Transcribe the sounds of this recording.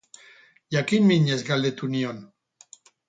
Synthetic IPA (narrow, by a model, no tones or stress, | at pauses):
jakimmiɲezɡald̪et̪union